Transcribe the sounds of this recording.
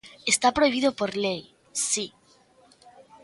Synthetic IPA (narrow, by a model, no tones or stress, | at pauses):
est̪apɾojβiðopoɾlej | si